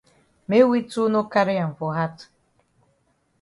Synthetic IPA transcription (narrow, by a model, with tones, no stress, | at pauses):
me˦wi˦tu˦no˦ka˦ɾɪ˦ja˨m̩˨vʊ˨ɦa˦tʊ̥˨